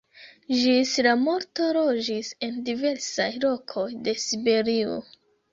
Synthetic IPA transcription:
ʒisɾamo̞ɾto̞ɾo̞d͡ʒise̞ndive̞ɾsajlo̞kʰo̞jde̞sibe̞ɾio̰

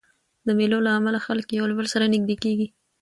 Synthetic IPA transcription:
d̪əmelolaːmalaxaləkjawlbəlsaɾanɪɡ̚d̪ekeɡi

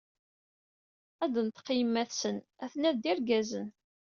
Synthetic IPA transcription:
æd̪ənt̪qːjəmːæθsən | æθənæðd̪ɪɾɡæzən

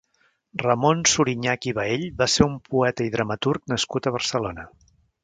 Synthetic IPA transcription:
rəmonsuɾiɲakiβəeʎβaseumpuɛt̪əiðɾəmət̪urknəskut̪əβ̞ərsəlonə

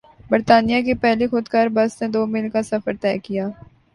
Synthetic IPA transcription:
bəɾt̪aːnijakepɛɦlixʊd̪kɐɾbɐsned̪oːmɪlkasɐfəɾt̪ɛːkijaː

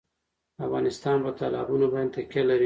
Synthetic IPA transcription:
afɣɑnɪst̪ɑnpət̪ɑlɑ̰bunobant̪akalaɾi

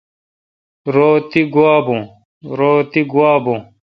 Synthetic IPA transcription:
ɾoːt̪iɡuaːbõː | ɾoːt̪iɡuwaːbõː

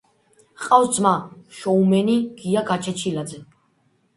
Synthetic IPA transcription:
qʼawsd̪zmaʃɔumɛniɡ̥iaɡat͡ʃʰɛt͡ʃʰilad̪zɛ

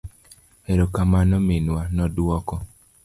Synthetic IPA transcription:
ɛɾɔkamanɔmenwanɔdwɔkɔ

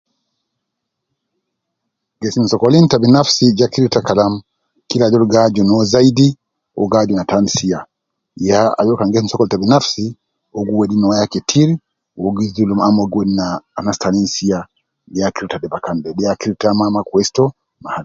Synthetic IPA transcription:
ɡɛsin̩sɔkɔlintabinafsid͡ʒakiɾitakalam | kilad͡ʒɔlɡad͡ʒɔnɔzaidi | ɔ̰ɡad͡ʒɔnatansia | jaa̰d͡ʒɔkaŋɡɛs̬in̩sɔkɔlitabinafsi | ɔɡuwɛɗinɔwajakɛtʰiɾ | wɔɡidulumamɔɡwɛdinaːnastaninsija | dɛakiɾitadɛbakandɛɗɛjakiɾitamamakuɛstɔ | mahal

